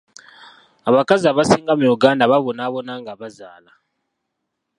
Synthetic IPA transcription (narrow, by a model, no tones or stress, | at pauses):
aβakazaβasiːŋɡamujuɡaːndaβaβo̞naβo̞naŋɡaβazaːla